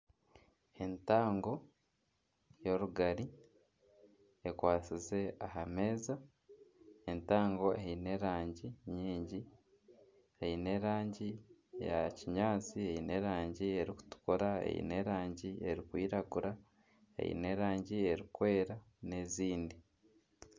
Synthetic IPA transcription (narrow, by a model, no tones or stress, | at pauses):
e̞ntaːŋɡo̞ | jo̞ɾuɡaɾi | ekwaːt͡size̞aɦame̞ːza | entaːŋɡo̞eine̞ɾaːɲɟiɲiːɲɟi | eine̞ːɾaːɲɟija̰ciɲaːt͡sieine̞ːɾaːɲɟie̞ɾiku̥tu̥koɾaḛḭne̞ɾaːɲɟie̞ɾikwiːɾaɡuɾa | ḛḭne̞ɾaːɲɟie̞ɾikwe̞ːɾa | ne̞ːziːndi